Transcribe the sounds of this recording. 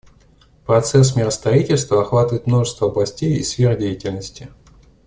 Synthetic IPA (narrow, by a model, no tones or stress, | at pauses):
pɾɐt̪sɛs̬mʲɪɾəst̪ɾɐitʲɪlʲst̪vəɐxvat̪əvəjɪt̪mno̞ʐəst̪vəɐblˠɐsʲtʲejḭsfʲerdʲejɪtʲɪlʲnəsʲtʲɪ